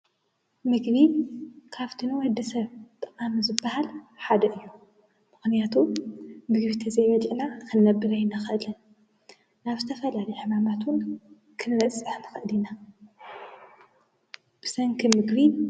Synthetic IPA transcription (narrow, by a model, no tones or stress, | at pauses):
mɨɡβikʰaβt̪ʰɨnɨwɔd̪ːɐsɐβt̪ʼɨqʼamizɨbːahalħad̪ɐʔɨjːu | mɨxnijat̪ʰumɨɡβit̪ʰɐzɐjβɐd̪iʔnakʰɨnːɐbːɨɾajnaxɨʔɨlɐn | naβzɨt̪ʰɐfɐlalɐjħɨmamat̪wʊn | kʰɨnɾɐt͡sʼːɨħnɨxɨʔɨd̪ina | b̥ɨ̥sɐŋkʰimɨɡβi